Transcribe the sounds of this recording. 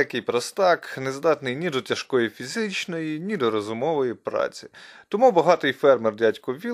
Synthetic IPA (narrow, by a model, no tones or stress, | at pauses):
ɐkɪjpɾɐst̪ɑknezd̪ɑt̪nɪjnʲid̪ɔtʲɐʃkɔjifʲizɪt͡ʃnɔjinʲid̪ɔɾɔzʊmɔʋɔjipɾɑ̰t͡sʲi̥t̪ɔmubɐɦɑt̪ɪjfɛrmɛrdʲatʲkʊʋʲi